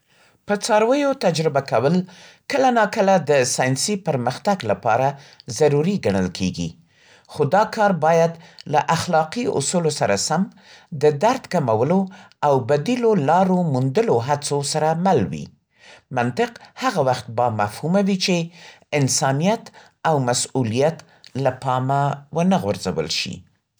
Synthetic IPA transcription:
pət͡sɑɾwəjot̪ad͡ʒɾɪbakawəl | kəlanɑkəlad̪əsɑjnsipəɾməxt̪aɡlapɑ̰ɾazaɾuɾiɡaɳə̰lkʰḛɡḭ | xod̪ɑkɑɾbɑjad̪laʔaxlɑqiʊ̰sulosaɾa̰sam | d̪əd̪aɾd̪kamawəlo | awbad̪ilolɑɾomund̪əloɦat͡sosaɾamalwḭ | mant̪ɪqhaɣawaxt̪̚bɑmafhumawit͡ʃe | ɪnsɑnijat̪ | awmasulijat̪ | lapɑmawənaɣwaɾza̰wə̰lʃḭ

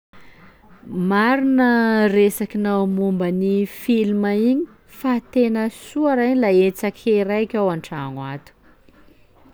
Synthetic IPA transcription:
maɾinəresakinawmumbənifilmaiɲi̥ | fat̪enəsuaɾaɲlaet͡sakʲʰeɾajkʲawaɳʈ͡ʂaŋwat̪u̥

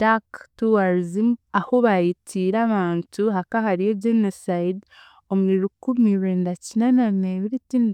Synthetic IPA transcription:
d̥aktuwaɾzimahoβajitʰiːɾaβaːntuɦakahaɾijeɟenosajid | omueɾukumiβɾeːndacinananeβiɾitind

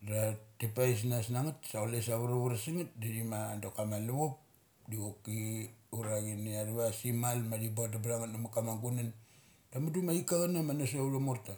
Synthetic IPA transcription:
ɾatipais̬nasnaŋatsaoles̬aβuɾaβuɾasiŋat̚didimaːndokamaluβop̚ | diokiuɾaɡiniaɾuβasimalmadip̬at̬apɾaŋatnamakamaŋɡunan | damat̬umaikaβanamanasouɾamoɾta

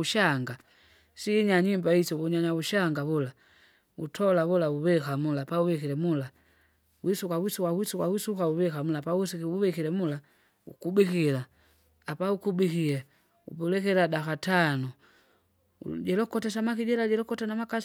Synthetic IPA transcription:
uʃaŋɡa | siːɲaɲimbaisɔβuɲaɲauʃaŋɡaβula | utʰɔlaβulauβɛkamulapauβɛkilɛmula | wisukawisukawisukawisukauβɛkamulapausiuβɛkilɛmula | ṵkubikila | apaukubikilɛ | ṵpɛlɛkɛladakatanu | ɟɛlɔkɔtɛs̬amakiɟɛlaɟɛlɔkɔtanamaka

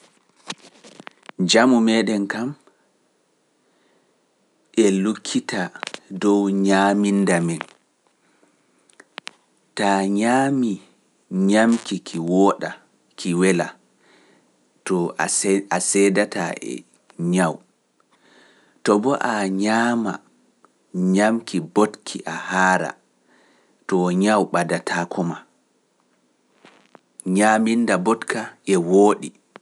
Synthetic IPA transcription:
d͡ʒamumɛɗɛnkam | ʔɛlukʰːitadɔwɲamindamin | taɲaːmi | ɲamkikʰiwɔɗa | kʰiwɛla | tɔ | asɛːdataʔɛ̰ | ɲaw | tɔbɔʔaɲaːma̰ | ɲamkibotkʰiʔahaːɾa̰ | tɔɲawɓadatʰakʰɔma | ɲamindabɔtkaɛwoːɗi

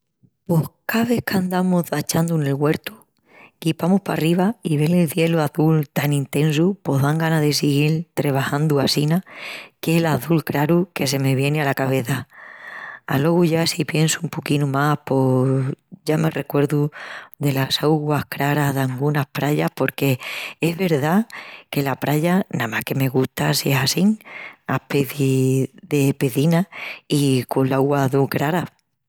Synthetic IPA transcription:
po̞hkaβ̞e̞hkand̪amoðat͡ʃand̪une̞lɣwe̞ɾt̪u | kipamohpa̰riβaiβ̞e̞lelθje̞luaθult̪anĩnt̪ẽ̞nsupo̞ɦðaŋɡanaðe̞siɣilt̪ɾe̞β̞ahand̪uasinakelaθulkɾaɾuke̞se̞me̞βje̞nealakaβ̞e̞θa | a̰lo̞ɣuʝasipje̞nsuumpokinumapo̞ | ʝame̞re̞kwe̞ɾðuðe̞lasawɣwahkɾaɾaɦðaŋɡunahpɾaʎahpo̞ɾke̞eɦβe̞ɾðake̞lapɾaʎanamahke̞me̞ɣut̪asiesasiŋapeθiðe̞peðinaikonlawɣwaðulkɾaɾa

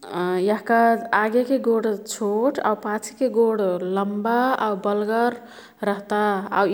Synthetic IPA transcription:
jəɦkaaɡekeɡoɽt͡ʃʰoʈʰa̰wpãt͡ʃʰi̥keɡoɽləmbaawbəlɡəɾ | ɾəɦt̪aa̰

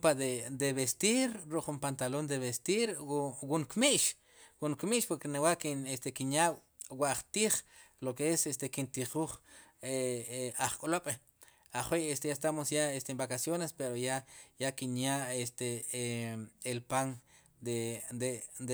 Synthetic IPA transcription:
pad̪ed̪eβest̪iɾɾuʔχumpant̪alond̪eβest̪iɾwuŋkmiʔʃ | wuŋkmiʔʃpoɾkenewaʔkinest̪ekinja | waʔχt̪iːχlokeesest̪ekint̪iχuːχeaχkʼoloɓ̥ | aχwejest̪ejast̪amosjaest̪embakasjonespeɾojajakinjaest̪e | elpaŋ | d̪ed̪ed̪e

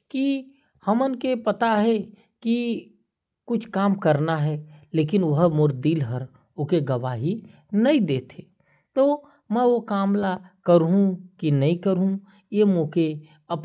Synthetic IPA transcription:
ki | hɐmənkepɐt̪aɦɛ | ki | kʊt͡ʃʰkaːmkɐɾnaɦɛleːkɪnʋɐɦmʊɾd̪iːlɦəɾ | okeɡɐʋaːɦi | nɐĩd̪eːt̪ʰeː | t̪oː | mɛ̃ʋokaːmlakəɾɦũkinɐɦĩkəɾɦũ | jemõːke | ɐp

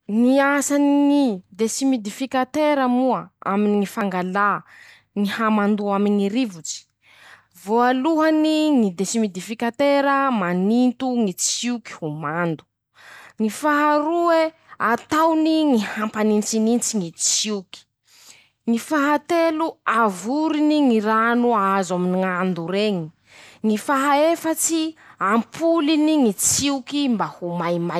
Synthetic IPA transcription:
ŋiasaniŋid̪esimid̪ifikat̪eɾəmuəa̰miniŋifaŋɡala | ŋihamand̪uaminiɾivut͡si̥ | voaluɦaniŋid̪esimid̪ifikat̪eɾəmanint̪uŋit͡siuki̥humand̪u̥ | ŋifaɦaɾue | at̪awniŋihampanint͡sinint͡siŋit͡siwki̥ | ŋifaɦat̪eluavuɾiniŋiɾanuazaminiŋand̪uɾeŋi | ŋifaɦaefət͡siampʰuliniŋit͡siukimbahumajma

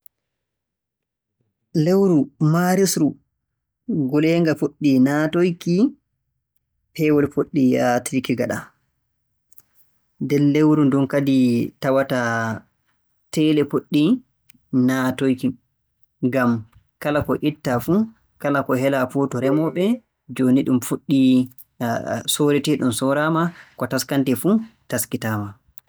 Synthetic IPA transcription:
lewɾumaɾisɾu | ɡɔlɛːŋɡafoɗːinatojki | pɛwɔlfoɗːiatɾikiɡaɗa | dɛnːewɾundunkaditawata | tɛlɛpoɗːi | natojki | ŋɡam | kalakɔʔitːafu | kalakɔɦɛlafutɔɾɛmɔɓɛ | d͡ʒoːniɗumfuɗːi | soɾɛtɛɗumsɔɾamakɔtaskantɛfutaskitaːma

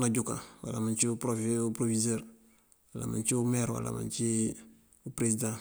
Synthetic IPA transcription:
naɟukã̰wa̰lamaɲt͡ʃiupɾofupɾovizɛɾ | wala̰ma̰ɲt͡ʃiumɛɾwa̰la̰ma̰nt͡ʃi | upɾezidã

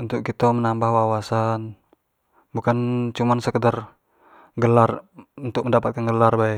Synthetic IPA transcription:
unt̪ʊk̚kit̪omənambahwawasan | bukant͡ʃumansəkədar | ɡəlarunt̪ʊk̚məndapat̪̚kanɡəlarbai

